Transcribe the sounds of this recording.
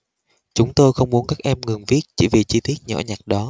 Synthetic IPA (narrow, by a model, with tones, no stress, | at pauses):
t͡ɕʊ˨˦ŋ͡mt̪o˧jxə˧wŋ͡mmu˨˦ənkaː˦˥k̚ʔɛ˧mŋɨ˨˩ŋvi˦˥ət̚t͡ɕḭ˧˥˩vi˨˩t͡ɕi˧t̪i˦˥ət̚ɲɔ̰˧˩ɲa˨˩t̚ɗɔ˨˦